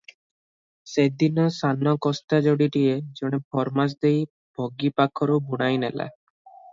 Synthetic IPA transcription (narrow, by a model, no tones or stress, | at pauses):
sed̪inɔsanɔkɔst̪ad͡ʒoɽiʈied͡ʒɔɽ̃epʰɔɾmas̬d̪ej | b̥ʱɔɡipakʰɔɾubuɽ̃ajnela̰